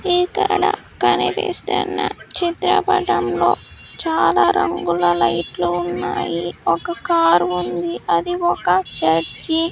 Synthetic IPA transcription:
iːkɐɽa | kɐnipḛːst̪ɛnːɐt͡ʃit̪ɾɐbɐʈɐmloːt͡ʃaːlaːɾɐŋɡulɐlɐjʈluːnːaːjiɔkɐkaːɾund̪iʔɐd̪iɔkɐt͡ʃɐɾt͡ʃi

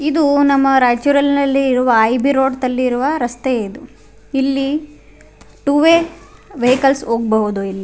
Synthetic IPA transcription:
id̪unɐmːɐɾaːt͡ʃuɾɐlnɐlːiːɾuʋɐːjbiɾoːɖt̪ɐlːiːɾuʋɐɾɐst̪eeːd̪u | ilːi | ʈuʋeʋeɦikɐlsoːɡ̚bɐɦud̪uilːi

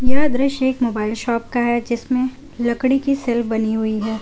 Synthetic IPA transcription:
jɐɦd̪ɾɪʃeːkmoːbaːɪlʃɔːp̚kaɦɛd͡ʒɪsmẽ | lɐkɽikisɛlfbɐniɦʊiɦɛː

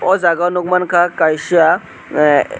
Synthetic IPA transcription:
ɔd͡zaɡawnuɡmankʰakajɕia

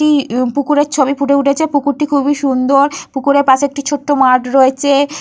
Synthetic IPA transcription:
ipukuɾeɾt͡ɕʰobipʰuʈeuʈʰet͡ɕʰepukuɾʈikʰubiʃund̪oɾpukuɾeɾpat͡ɕek̚ʈit͡ɕʰoʈːomaɾʈɾoet͡ɕʰe

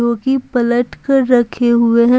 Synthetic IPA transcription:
oːkipɐləʈkəɾːɐkʰeɦʊeɦɛ̃

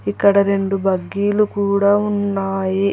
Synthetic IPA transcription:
ikːɐɽɐɾe̞ɳɖubɐɡːiːlukuːɽaːunːaːji

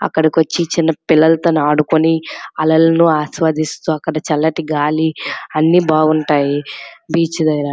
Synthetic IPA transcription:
ɐ̰kːɐɽɐkiʋɐt͡ʃːit͡ʃinːɐpilːɐlɐt̪oːnaːɽukuniɐlɐlɐnuaːsʋaːd̪ist̪uɐkːɐɽɐt͡ʃɐlːɐʈiɡaːliɐnːibaːɡuɳʈaːjibiːt͡ʃud̪ɐjɾa

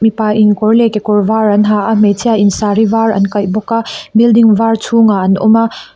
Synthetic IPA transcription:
mipaʔiŋkɔɾlekekɔɾvaɾɐnɦaʔametʰiainsaɾivaɾɐ̰nkɐjbɔkabildiŋvaɾtʰuŋaɐnɔ̰ma

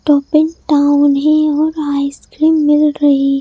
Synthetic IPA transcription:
ʈɔːpɪ̃nʈaːʊnɦẽɔːɾaːɪskɾiːmːɪlɾɐɦi

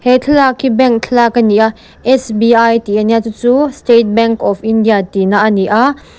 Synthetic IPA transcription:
hɛt͡ɬʰlakʰibɛŋkt͡ɬʰlakɐniʔa | ʔɛsbiajt̪iʔaniat͡sut͡sustet̪̚bɛŋkɔfindijat̪inaʔaniʔa

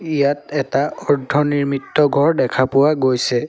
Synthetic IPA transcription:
ijatɛtaɔɹdʱɔniɹmitːɔɡʱɔɹdɛkʰapʊwaɡojsɛ

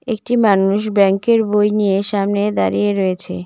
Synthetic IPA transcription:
ekʈimanuʃbɛŋkeɾbojnijeʃamned̪aɾijeɾɔet͡ɕʰḛ

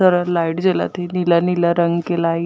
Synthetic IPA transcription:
əɾalajʈd͡ʑela̰t̪enilanilaɾəŋɡkela

